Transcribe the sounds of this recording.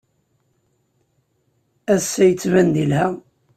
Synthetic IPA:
æsːæjət͡sːvænd̪ilhæ

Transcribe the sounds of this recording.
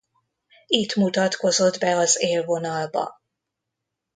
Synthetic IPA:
it̪mut̪ɒt̪ko̞zo̞d̪bɛɒzeːlvo̞nɒlbɒ̰

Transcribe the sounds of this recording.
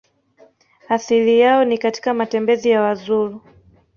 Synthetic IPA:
aθilijaɔnikati̥kamatɛmbɛzijawazuɾu

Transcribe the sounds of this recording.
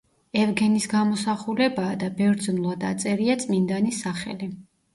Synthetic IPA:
ɛvɡɛnisɡamɔsaχulɛbaːd̪abɛvɾd̪znlˠad̪a̰t̪sʼɛɾiat̪sʼmind̪anisːaχɛ̰li

